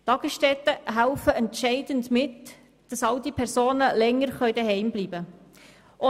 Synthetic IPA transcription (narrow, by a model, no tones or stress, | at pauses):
t̪ɑɡ̥əsʃtɛt̪ːəɦælfəʔɛntʃɛɪd̥əndmɪt | d̥ɑsɑldipʰɛɾsoːnəlɛŋːəɾχœʏdəɦɛɪmbliːbə | ʔɔ